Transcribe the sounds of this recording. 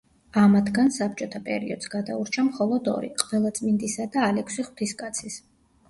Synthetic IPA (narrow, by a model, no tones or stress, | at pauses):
amat̪ʰɡansap̚t͡ʃʼɔt̪ʰapʼɛ̰ɾḭɔd̪̥sɡad̪auɾt͡ʃʰamχɔlˠɔd̪ɔ̰ɾḭqʼvɛlˠat̪sʼmind̪isad̪aːlɛkʰsiχw̥t̪ʰiskʼat̪sʰis